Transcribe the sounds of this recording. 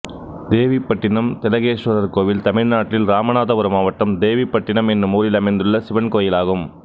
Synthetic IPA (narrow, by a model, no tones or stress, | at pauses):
d̪eːʋipːɐʈːɪnɐmt̪ɛlɐɣeːʂʋɐðɐɾkoːʋɪlt̪ɐmɪɻnaːʈːɪlɾaːmɐnaːðɐʋʊɾɐmaːʋɐʈːɐmd̪eːʋipːɐʈːɪnɐmɛnːɯmuːɾɪlɐmɐɪnd̪ɾɯɭːɐsɪʋɐnkoːjɪlaːɣɯm